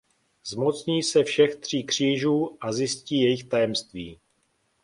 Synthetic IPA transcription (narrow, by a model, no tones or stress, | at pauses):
zmo̞t͡sɲiːsɛfʃɛxt̪r̝̥iːkr̝̥iːʒuːʔazjɪsciːjɛjɪxt̪ajɛmst̪vḭː